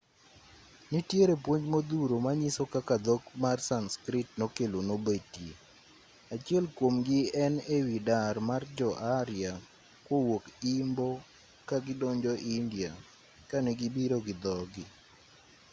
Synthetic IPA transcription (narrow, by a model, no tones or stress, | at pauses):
nitjeɾepwoɲd͡ʒmod̪uɾomaɲisokakad̪okmarsanskɾɪtnokelonobetje | at͡ʃjɛlkwomɡɪɛnewidarmard͡ʒɔʔaɾja | kwowokimbɔ | kaɡɪdɔɲd͡ʒɔʔindia | kanɛɡɪbiɾoɡɪd̪ɔɡɪ